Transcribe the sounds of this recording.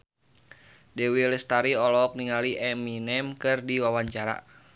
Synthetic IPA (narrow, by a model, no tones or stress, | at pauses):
dɛwilɛst̪aɾiɔlɔk̚niŋaliʔɛminɛmkɨrdiwawaɲt͡ʃaɾa̰